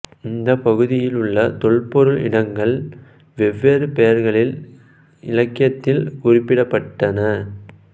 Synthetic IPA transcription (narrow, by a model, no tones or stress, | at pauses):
ɪnd̪ɐpɐɣɯðɪjɪlɯɭːɐt̪ɔɭpɔɾɯɭɪ̰ɳɐŋɡɐɭ | ʋɛʋːeɾɯpɛjɐɾɣɐɭɪl | ɪ̰lɐkːɪjɐt̪ːɪlkʊrɪpːɪɽɐpːɐʈːɐnɐ